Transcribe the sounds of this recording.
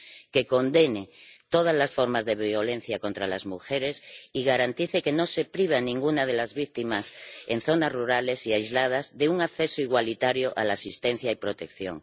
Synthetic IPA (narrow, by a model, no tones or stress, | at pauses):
ke̞ko̞nd̪enet̪oðazlasfo̞ɾmazðe̞βjo̞len̟θjako̞nt̪ɾalazmuxeɾesiɣ̞aɾant̪iθeke̞nose̞pɾiβ̞anĩŋɡunað̞e̞lazβikt̪imasenθo̞nazruɾale̞siajzlað̞azðeuŋaθesoiɣwalit̪aɾjoʔa̰lasist̪en̟θjaipɾo̞t̪ekθjo̰ŋ